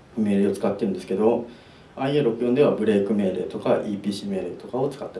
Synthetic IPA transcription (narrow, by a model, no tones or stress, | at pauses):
me̞ːɾɯo̞t͡sɨ̥kat̪ːeɾɯ̟nd̪e̞sɨ̥ke̞d̪o̞ | aieːɾo̞kɯ̟jond̪e̞βabɯ̟ɾe̞ːkɯ̟me̞ːɾɯt̪o̞kaʔiːpʲiːɕiːme̞ːɾet̪o̞kao̞t͡sɨ̥kat̪ːe